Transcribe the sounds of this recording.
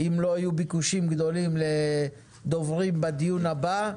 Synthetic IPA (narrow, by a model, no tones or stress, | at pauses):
imlo̞ajubikuʃimɡd̪o̞limle | d̪o̞vʁimbad̪ijunhaba